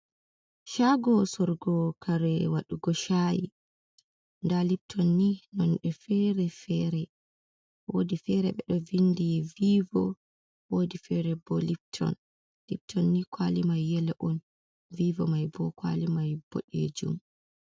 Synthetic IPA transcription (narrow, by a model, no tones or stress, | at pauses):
ʃaɡɔsɔɾɡɔkʰaɾɛwaɗuɡɔʃajḭ | ndalip̚tʰɔnːinɔnɗɛfɛɾɛfɛɾɛ | wodifɛɾɛɓɛɗɔvindiviːvɔ | wodifɛɾɛbɔlip̚tʰɔ̰n | lip̚tʰɔnːikʰwalimajːɛlɛʔɔn | viːvɔ̰majbɔkwa̰limajb̥ɔ̰ɗḛd͡ʒṵm